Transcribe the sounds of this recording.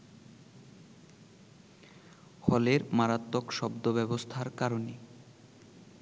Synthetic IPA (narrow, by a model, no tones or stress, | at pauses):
hɔleɾmaɾat̪ːokʃɔbd̪obɛbost̪ʰaɾkaɾone